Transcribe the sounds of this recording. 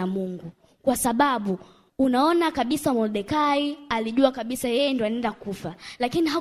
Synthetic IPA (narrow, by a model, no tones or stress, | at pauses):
amuŋɡu | kwasaɓaɓu | unaɔnakaɓisamɔlɗɛkaialiʄuakaɓisajɛjɛndiɔanɛndakufalakiniɦa